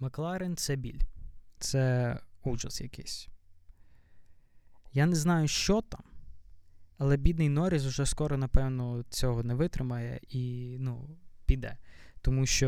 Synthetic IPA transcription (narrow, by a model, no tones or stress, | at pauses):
mɐklˠɑɾɪnt̪sɛbʲilʲt̪sɛuʒɐ̰sjɐkɪsʲ | janɛznɑjʊʃt͡ʃɔt̪ɑm | ɐlˠɛbʲid̪nɪjnɔɾʲiz̬ʊʒɛskɔɾɔnɐpɛwnɔt͡sʲɔɦɔnɛʋɪt̪ɾɪmɐjɛ̰inupʲid̪ɛ̰t̪ɔmuʃt͡ʃɔ